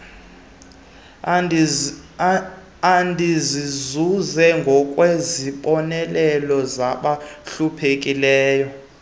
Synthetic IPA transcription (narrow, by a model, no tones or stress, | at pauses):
andʱizizuzɛŋɡʱɔkʼweziɓɔnɛlɛlɔzaɓaɬupʰek̬ʼilɛːjɔ